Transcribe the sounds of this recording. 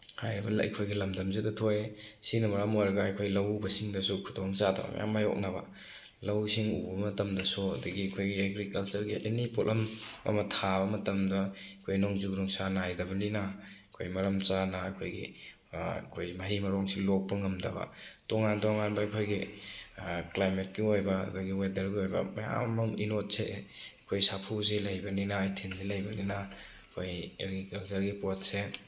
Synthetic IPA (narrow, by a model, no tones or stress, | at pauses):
hajɾibɐl̰j̰kʰojɡilɐmdɐmzedɐtʰojsinɐmɐɾamojɾɐɡɐːjkʰojlɐwbɐsiŋdɐsukʰudoŋt͡ʃadʰa̰bɐ̰m̰ja̰majɔ̰k̚nabɐ̰ | lɐwsiŋubɐmɐtɐmdɐsuɐdɐɡiɐkʰojɡieɡɾikɐlt͡ʃuɾɡiʔenipolʔɐmɐ̰mɐtʰabɐmɐtɐmdɐkʰojnoŋzuɡdɔŋsanajdɐbɐlina | kʰo̰jmɐɾɐmt͡ʃanaɐkʰojɡḭ | kʰojmɐɦimɐɾɔŋsilok̚pɐŋɐmdɐ̰bɐ̰tɔŋantɔŋanbɐɐkʰojɡi | klajmet̚kiojbaɐ̰dɐɡiwedɐɾɡiojbɐ̰mɐ̰ja̰muminot̚seːkʰojsapʰuzilajbɐninaitʰenzilɐjbɐnina | kʰojḛɾɡikɐlt͡ʃɐɾɡipot̚se